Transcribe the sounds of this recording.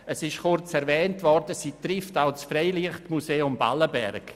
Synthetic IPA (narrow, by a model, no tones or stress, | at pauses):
əsɪʃχʊrt͡sɛɾvɛːntvɔɾdəsiːtrɪftaʊt͡sfreɪliəχtmuseːʊmba̰ləbɛ̰ɾk